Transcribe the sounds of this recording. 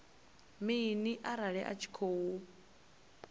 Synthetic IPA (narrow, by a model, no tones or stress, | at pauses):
miːniʔaɾaɺɛʔa̰t͡ʃʰi̥kʰoːwu